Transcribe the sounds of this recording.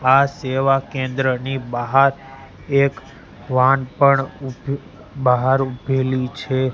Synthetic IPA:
aseʋakẽnd̪ɾənibaɦaɾ | ek | ʋãnpəɳu | baɦaɾubʱelit͡ʃʰe

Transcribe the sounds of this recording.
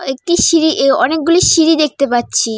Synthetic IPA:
ek̚ʈiʃiɾiʔeɔnek̚ɡuliʃiɾid̪ek̚ʰt̪epatːɕʰi

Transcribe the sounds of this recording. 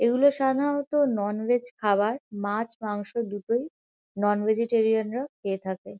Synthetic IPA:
eɡuloʃad̪ʱanot̪onɔnwed͡ʑkʰabaɾmat͡ɕmaŋʃod̪uʈoj | nɔnvʱed͡ʑeʈeɾianɾakʰeet̪ʰake

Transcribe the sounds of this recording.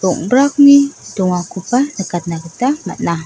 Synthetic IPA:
uŋbɾakniduŋakupanəkat̪̚nakət̪ama̰ʔna

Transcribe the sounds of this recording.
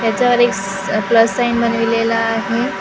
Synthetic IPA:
t̪jat͡ɕjaʋəɾek | pləsːainbənʋilelaːɦe

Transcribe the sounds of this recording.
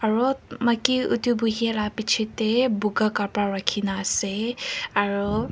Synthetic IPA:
aɹumakiṵtubuɦialapit͡ʃʰitɛbuɡakapaɹakʰinaːsɛaɹu

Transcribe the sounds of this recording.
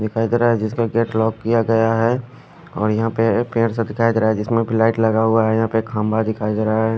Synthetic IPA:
d̪ɪkʰaːid̪eɾaɦɛd͡ʒɪskaɡeːʈlɔːkːijaɡɐjaɦɛ | ɔːɾjɐɦãpepẽːɾsẽd̪ɪkʰaːid̪eɾaɛd͡ʒɪsmẽbʱilaːɪʈlɐɡaɦʊaɦɛjɐɦãpekʰãːmbad̪ɪkʰaːid̪eɾaaɦɛ

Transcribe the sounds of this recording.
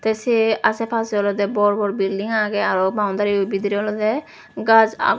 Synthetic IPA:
t̪eseasepʰasɔlɔd̪ɛbɔɾbɔɾbildiŋaɡeaɾɔk̚baw̃nd̪aɾibid̪iɾɔlɔd̪ɛ | ɡad͡ʒa̰

